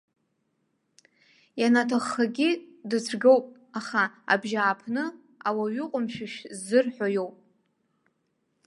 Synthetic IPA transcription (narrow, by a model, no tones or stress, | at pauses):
janatʰaχːaɡʲidɨt͡sʰɡowpʼ | aχaa̰bʒaːpʰnɨ | awaɥʊqʷʼʊmʃᶣɪʃzːɨrħʷᶣajowpʼ